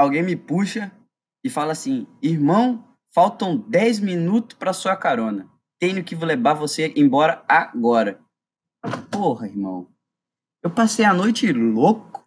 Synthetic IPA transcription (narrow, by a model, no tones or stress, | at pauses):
awɡẽj̃mɪpuʃɐ | ɪfalɐasĩihmɐ̃w̃ | fawt̪ɐ̃w̃d̪ɛjzmĩnut̪ʊ̥spɾɐasuɐkaɾõnɐ | t̪ẽɲʊkɪvʊlebavoseʔẽbɔɾɐaɡɔɾɐ | pohɐiɾmɐ̰̃w̃ | ewpasejɐnojt͡ʃɪlokʊ̥